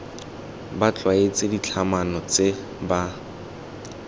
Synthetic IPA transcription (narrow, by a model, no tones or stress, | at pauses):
bat͡ɬʼwaet͡sɪdit͡ɬʰamanɔt͡se | ba